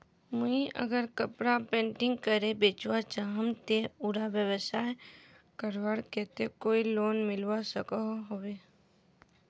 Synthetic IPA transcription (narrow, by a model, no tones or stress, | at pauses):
mʊiʔə̰ɡəɾkəpɽapẽːɳʈɪ̃ŋɡkəɾebeːt͡ʃwat͡ʃaɦəmt̪euɾabjəwəsaːe | kəɾʋaːɽket̪ekoːiloːnmɪlwasəkaɦoweː